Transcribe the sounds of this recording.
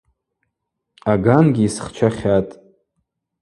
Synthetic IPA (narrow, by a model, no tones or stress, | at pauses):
aɡanɡʲiisχt͡ʃʷʰaχʲatʼ